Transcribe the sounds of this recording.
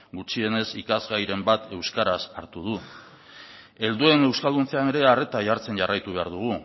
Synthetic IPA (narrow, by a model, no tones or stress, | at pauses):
ɡut͡ʃie̞ne̞sikazɣajɾe̞mbat̪e̞wskaɾasaɾt̪uð̞u | e̞ld̪ue̞ne̞wskald̪unt͡seane̞ɾe̞are̞t̪aʝaɾt͡se̞nʝarajt̪uβe̞aɾð̞uɣ̞u